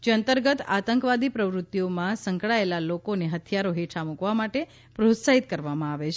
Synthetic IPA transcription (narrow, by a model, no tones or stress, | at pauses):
d͡ʒeənt̪əɾɡət̪at̪əŋkʋad̪ipɾəʋɾut̪ːjomãsəŋkɭaelalokoneɦət̪ʰijaɾoɦeʈʰamukʋamaʈe | pɾot̪saɦit̪kəɾʋamãaʋet͡ʃʰe